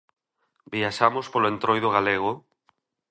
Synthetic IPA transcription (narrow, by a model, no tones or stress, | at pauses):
biaʃamospoloent̪ɾojðʊɣaleɣ̞ʊ